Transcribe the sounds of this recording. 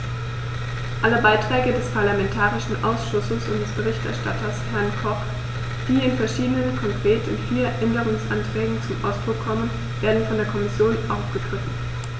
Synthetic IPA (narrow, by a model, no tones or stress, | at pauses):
ʔaləbaɪtʁ̥ɛːɡədɛspʰaɐlamɛntʰaːʁɪʃn̩ʔa̰ʊsʃʊsəsʊnt̚d̥ɛsb̥əʁɪçtɛ̰ɐʃtatɐshɛɐnkʰɔχ | d̥iːɪnfɛɐʃiːdənənkʰɔŋkʁ̥eːtʰʊ̰ntfiːɐʔɛndəʁ̞ʊŋsʔantʁ̥ɛːɡŋ̩t͡sʊmʔa̰ʊsd̥ʁʊkʰːɔmən | v̥eːɐdn̩fɔndeːɐkʰɔmɪsjoːnʔaʊfɡ̥əɡ̥ʁɪfn̩